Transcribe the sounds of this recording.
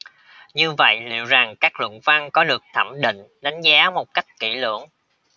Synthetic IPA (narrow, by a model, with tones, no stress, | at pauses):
ɲɨ˧və̰˧˨jlḭ˧˨wza˨˩ŋkaː˦˥k̚lə̰˧˨ŋva˧ŋkɔ˨˦ɗɨ˨˩ək̚t̪ʰə˧˩mɗḭ˧˨ŋ̟ɗa˨˦jŋ̟zaː˨˦mo˨˩t̚ka˦˥jk̟̚ki˧˩lɨ̰˧˩əŋ